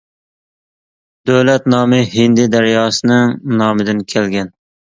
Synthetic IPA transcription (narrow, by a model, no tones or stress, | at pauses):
d̪̥øwlɛt̪nɑːmɨɦɪnd̪ɪd̪æɾjɑːsɨnɪŋnɑːmɨd̪ɪnkʲʰɛlɡʲɛn